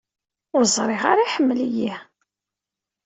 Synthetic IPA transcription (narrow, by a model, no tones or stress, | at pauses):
ʊɾzˤɾˤɪʁa̰ɾˤiħəmːəliji